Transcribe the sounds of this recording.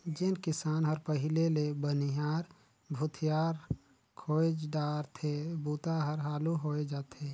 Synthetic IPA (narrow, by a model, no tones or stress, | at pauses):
d͡ʒɪnkɪsaːnɦəɾpəɦɪlelebənijaːɾ | bʱʊt̪ʰijaːɾ | kʰoːd͡ʒɖaːɾt̪ʰebuːt̪aɦəɾɦaːluɦoed͡ʒaːt̪ʰe